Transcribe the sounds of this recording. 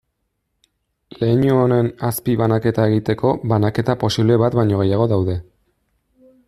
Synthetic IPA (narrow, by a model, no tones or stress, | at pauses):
le̞ːɲuone̞naspiβanake̞t̪aeɣ̞it̪e̞ko̞βanake̞t̪apo̞siβle̞βat̪bajɲo̞ɣ̞e̞jaɣ̞o̞ðawðe̞